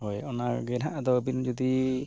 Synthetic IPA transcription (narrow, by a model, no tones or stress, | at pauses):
ɦɔjɔnaɡɛnaʔad̪ɔbind͡ʒɔd̪i